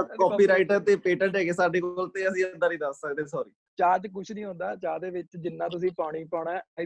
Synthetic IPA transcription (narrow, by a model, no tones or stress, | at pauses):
kɔːpiːɾaːɪʈəɾt̪eːpeːʈə̃ʈɦɛːɡeːsaːɖeːkoːlt̪eːəsĩːənd̪aːnĩːd̪əssəkd̪esɔːɾḭː | t͡ʃaːd͡ʒ̪k̬ʊt͡ʃʰnĩːɦõːnd̪aːt͡ʃaːd̪eːʋɪt͡ʃd͡ʒɪnːãːt̪̬ʊs̬ĩːpaːɽ̃iːpaːɽɛ̃ː